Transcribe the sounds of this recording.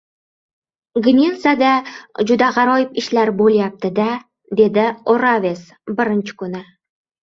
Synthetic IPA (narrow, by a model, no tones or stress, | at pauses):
ɡnʲelˠsad̪ad͡ʒʊd̪aʁɑɾɒjɪpɪʃlaɾbolˠjap̚t̪ɪd̪a | d̪e̞d̪ɪoɾavʲe̞s | bɪɾɪnt͡ʃʰɪ̥kʊnɪ